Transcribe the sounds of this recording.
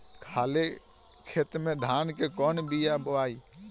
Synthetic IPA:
kʰaːle | kʰet̪mẽd̪ʱaːnkekɔnbijabəʋaːi

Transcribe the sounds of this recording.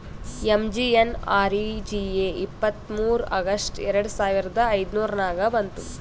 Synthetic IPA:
emd͡ʒienaːɾid͡ʒieːipːɐt̪muːɾɐɡɐsʈɛɾɐɽusaːʋiɾɐd̪ɐːjd̪nuːɾɐnaːɡɐbɐnt̪u

